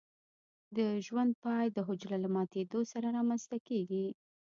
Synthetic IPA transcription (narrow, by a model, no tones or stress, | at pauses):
d̪əʒwand̪̚pɑjd̪əɦʊd͡ʒlalamɑt̪ed̪osaɾaɾɑmanst̪akeɡi